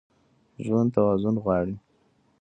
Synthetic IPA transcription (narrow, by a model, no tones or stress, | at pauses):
ʒwant̪awɑzʊnɣwɑɽi